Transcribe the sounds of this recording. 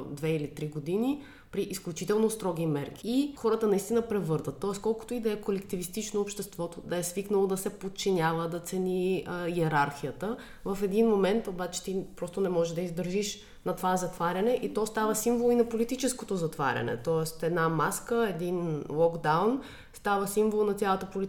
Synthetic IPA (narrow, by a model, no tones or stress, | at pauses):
d̪vɛilit̪ɾiɡod̪ini | pɾiʔisklʲut͡ʃit̪ɛlˠnost̪ɾɔɡ̟imɛɾki̥ixɔɾət̪ənɐist̪inəpɾɛvɤɾd̪vət̪ːɔɛskɔlˠkʊ̥t̪oid̪ɐɛkolɛkt̪ivist̪it͡ʃnoːpʃt̪ɛst̪vɔt̪od̪ɐɛsviknəlˠod̪ɐsɛpot̪̚t͡ʃinʲavəd̪ɐt̪sɛniiɛɾaɾxijət̪ə | vɐfɛd̪inmomɛnt̪obat͡ʃɛ̥t̪ipɾɔst̪onɛmɔʒɛʒd̪ɐizd̪əɾʒiʃ | nɐt̪ovazɐt̪vaɾʲɐnɛʔit̪ɔst̪avəsiɱvolˠinɐpolit̪it͡ʃɛskot̪ozɐt̪va̰ɾʲɐ̰nɛ̰t̪ɔɛst̪ɛd̪namaskəɛd̪inlˠɔɡd̪awn | st̪avəsiɱvolˠnɐt̪sʲjalˠət̪əpoli